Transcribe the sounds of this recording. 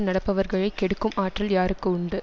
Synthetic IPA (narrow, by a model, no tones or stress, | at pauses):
nɐɽɐpːɐʋɐɾɣɐɭɐɪkːɛɽɯkːɯmʔaːʈrɐljaːɾɯkːɯʊɳɖɯ